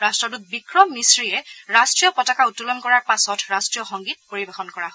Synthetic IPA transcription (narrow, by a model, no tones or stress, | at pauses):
ɹastɹɔduk̚bikɹɔmːisɹiɛɹastɹijɔpɔtakautːulɔnkɔɹaɹpasɔtɹastɹijɔxɔŋɡit̚poɹibexɔnkɔɹaɦɔ